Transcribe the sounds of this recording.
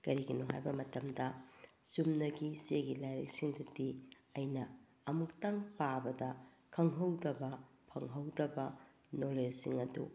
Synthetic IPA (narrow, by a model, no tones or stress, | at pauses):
kɐɾiɡinoɦa̰jbɐmɐtɐmdɐsumnɐɡiseɡilajɾɐ̰k̚siŋdɐdiɐjnɐː | muktaŋpabɐdɐ | kʰɐŋɦɐwdɐbɐ | pʰɐŋɦɐwdɐbɐ | nolesiŋɐdṵ